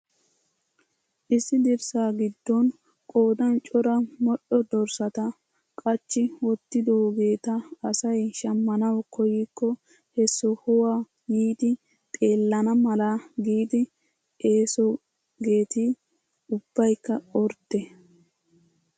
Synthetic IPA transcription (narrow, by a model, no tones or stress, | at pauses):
ʔɪsːɪd̪ɪɾsaːɡɪd̪ːɔn | kʼoːd̪ɐnt͡ʃʼɔɾɐmɔʔɔd̪ɔɾsɐt̪ɐ | kʼɐt͡ʃːɪwɔt̪ːɪd̪ɔɡe̞ːt̪ɐːsɐjʃɐmːɐnɐwkʰɔjɪkːɔ | hɛsːɔhɔwaː | jiːd̪ɪ | t̪ʼe̞ːlːɐnɐmɐlɐɡiːd̪ɪ | e̞ːsɔ | ɡe̞ːt̪i | ʊb̥ːɐjkːɐɔɾt̪ːe